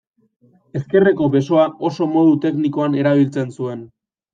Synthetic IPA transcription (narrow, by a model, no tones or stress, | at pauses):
e̞ske̞re̞ko̞βe̞so̞aʔo̞so̞mo̞ð̞ut̪e̞kniko̞ane̞ɾaβ̞ilt͡se̞nsue̞n